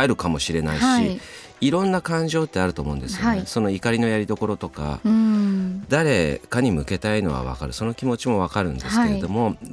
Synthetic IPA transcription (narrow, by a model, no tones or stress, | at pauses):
ɾɯ̟kamo̞ɕiɾe̞naiɕi | iɾõ̞nːakãɲ̟d͡ʑo̞ːt̪ːe̞aɾɯ̟t̪o̞ːmo̞ɯ̃nd̪e̞sɨjo̰neso̞no̞ikaɾʲino̞jaɾʲid̪o̞ko̞ɾo̞t̪o̞ka̰ | d̪aɾe̞kaɲ̟imɯ̟ke̞t̪aino̞̰βa̰β̞a̰kaɾɯ̟so̞no̞kʲimo̞t͡ɕimo̞βakaɾɯ̟̃nd̪e̞sɨ̥ke̞ɾed̪o̞mo̞